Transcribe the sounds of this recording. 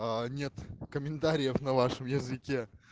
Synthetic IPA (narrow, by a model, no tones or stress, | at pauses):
anʲe̞t̪kəmʲɪnt̪aɾʲɪjəfnɐvaʂɨmjɪzɨkʲe